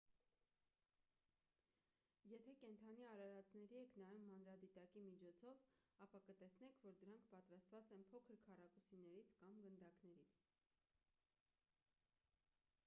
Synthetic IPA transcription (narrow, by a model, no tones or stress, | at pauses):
jɛt̪ʰɛkɛnt̪ʰɑniɑɾɑɾɑt͡snɛɾiɛkʰnɑjumːɑnɾɑd̪it̪ɑkimit͡ʃʰɔt͡sʰɔvɑpɑkət̪ɛsnɛkʰvɔɾd̪əɾɑŋkʰpɑt̪ɾɑst̪vɑt͡sɛnpʰɔkʰəɾkʰɑrɑkusinɛɾit͡sʰkɑmɡənd̪ɑknɛɾit͡sʰ